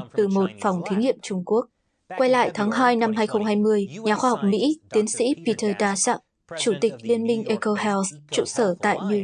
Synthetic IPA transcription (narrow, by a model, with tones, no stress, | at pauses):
t̪ɨ˨˩mo˨˩t̚fa˨˩wŋ͡mt̪ʰi˨˦ŋnḭ˧˨əmt͡ɕʊ˧ŋ͡mku˦˥ək̚ | kwa˧jla̰ː˧˨jt̪ʰaː˨˦ŋɦaː˧jna˧mɦaː˧jxə˧wŋ͡mɦaː˧jmɨ˧əjɲaː˨˩xwaː˧ha˨˩wk͡p̚mḭ˧˥t̪i˨˦ənsḭ˧˥pi˧t̪ʰəː˧˩ɗ̪aː˧sa̰˧˥ŋ | t͡ɕu˧˩t̪ï˨˩k̟̚li˧ənmï˧ŋ̟ʔe˧ko˧hɛ˧wst͡ɕṵ˧˨səː˧˩t̪a̰ː˧˨jɲu˧˩